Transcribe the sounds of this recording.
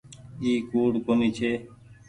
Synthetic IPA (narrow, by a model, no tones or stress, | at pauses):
iːkuːɽkoːniːt͡ʃʰeː